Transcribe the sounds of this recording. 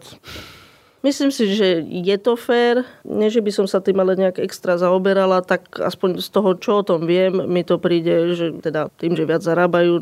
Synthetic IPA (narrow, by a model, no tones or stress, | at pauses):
misliːmsiʒɛjɛt̪ɔfɛːɾɲɛʒɛbisɔmsat̪iːmalɛɲɛaɡɛkst̪ɾazaɔbɛɾalat̪aka̰spɔɲst̪ɔɦɔt͡ʃɔɔt̪ɔmʋɪɛmːit̪ɔpɾiːɟɛʒɛt̪ɛd̪at̪iːmʒɛʋɪad͡zzaɾaːbajuː